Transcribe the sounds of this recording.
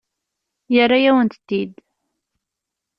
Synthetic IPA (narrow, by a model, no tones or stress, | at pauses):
jərːajæwənt̪ət̪ːid̪